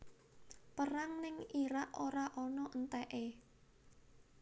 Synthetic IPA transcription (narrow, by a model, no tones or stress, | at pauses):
pəɾaŋnɪŋiɾaʔoɾaʔɔnɔʔənt̪ɛʔe